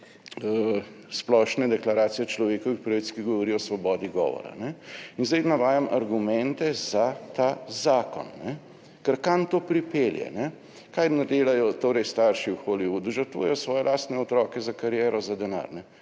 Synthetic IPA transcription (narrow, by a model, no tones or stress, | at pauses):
splɔʃnɛd̪ɛklaɾaːt̪sijɛt͡ʃlɔʋeːkɔʋixpɾɐʋit̪skiɡɔʋɔɾiːɔsʋɔbɔːd̪iɡɔ̰ːʋɔ̰ɾa̰nɛinzd̪ɛjnaʋaːjamʔɐɾɡumɛnt̪ɛzat̪azaːkɔ̰nːɛ | kɛɾkant̪oːpɾipeljɛ̰nɛ | kajnad̪eːlajɔt̪oːɾɛjst̪aɾʃiwxoliʋud̪uʒɐɾt̪ṵjɛjɔsʋɔːjɛlʔaːst̪nɛɔt̪ɾɔːkɛzakaɾjɛːɾɔzad̪ɛna̰ɾnɛ